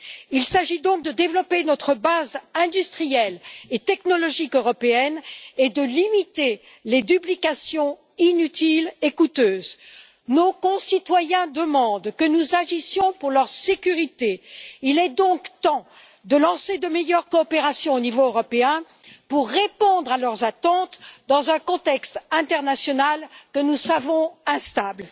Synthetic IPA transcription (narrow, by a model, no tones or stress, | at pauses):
ilsaʒid̪ɔ̃k̚d̪əd̪evlɔpenɔt̪χəbazɛ̃d̪yst̪χijɛlet̪ɛknɔlɔʒikøʁɔpeɛned̪əlimit̪e | led̪yplikasjɔ̃ | inyt̪ilekut̪øːz | nokɔ̃sit̪wajɛ̃d̪əmɑ̃d̪kənuzaʒisjɔ̃puʁlœʁsekʲyʁit̪eilɛd̪ɔ̃kt̪ɑ̃ | d̪əlɑ̃sed̪əmejœʁkɔːpeʁasjɔ̃onivoøʁɔpeɛ̃ | puʁːepɔ̃d̪ʁalœʁzat̪ɑ̃t̪d̪ɑ̃zɛ̃kɔ̃t̪ɛkst̪ɛ̃t̪ɛʁnasjɔnalkənusavɔ̃ɛ̃st̪abl